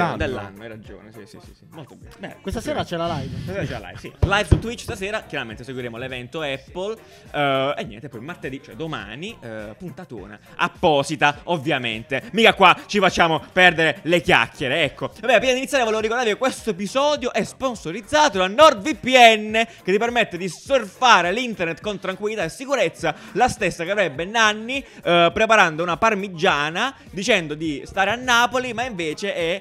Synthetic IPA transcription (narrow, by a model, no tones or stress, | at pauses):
d̪elːa̰nːoɛrːad͡ʒo̰ːnesisḭsḭsimolt̪obɛ̰ɛ̰kwest̪aseːɾat͡ʃɛlalajvsaseːɾat͡ʃɛla̰la̰jvsḭlajvsut̪ːwit͡ʃːst̪aseːɾakjaɾament̪eseɡwiɾeːmolevɛnt̪oɛpːol | enːɛ̰nt̪epːɔjmart̪ed̪it͡ʃoɛ̰d̪oma̰ːnipunt̪at̪o̰ːna̰ | ʔa̰pːɔːzit̪aovːjamḛnt̪emiːkakːwat͡ʃifat͡ʃːaːmopɛrd̪eɾelekja̰kːjeɾeɛkːoabɛːapɾiːnad̪init̪jaɾevolevoɾikoɾd̪aɾvikekːwest̪oep̬izɔːd̪joʔɛsponsoɾid̪zːaːt̪olanɔrd̪vipːiɛnːek̟et̪ːipermet̪ːed̪isːorfaːɾelint̪ernet̪ːkont̪ɾaŋkwilːit̪aesːikuɾet̪sːalast̪esːakeavɾɛbːenanːipɾepaɾand̪ounaparmid͡ʒːaːna | d̪it͡ʃɛnd̪od̪ist̪aːɾeanːaːpolimaiɱveːt͡ʃeʔɛ